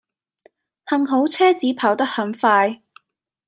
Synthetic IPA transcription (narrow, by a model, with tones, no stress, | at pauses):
hɐ˧ŋɦo˨˥wt͡sʰɛː˥t͡siː˨˥pʰaː˨˥wt̪ɐ˥k̚hɐ˨˥ŋfaː˧j